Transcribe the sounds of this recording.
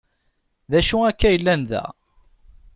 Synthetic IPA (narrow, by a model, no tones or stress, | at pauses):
ðæʃuækːæjəlːænðæ̰